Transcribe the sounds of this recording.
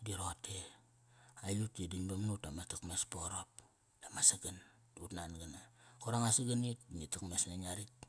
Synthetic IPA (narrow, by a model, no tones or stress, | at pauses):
diɾote | ajutidinbamnutamatakmespoɾop | damasaɡan | utnanɡanakoɾaŋasaɡanit̚nitakmesnaɲaɾit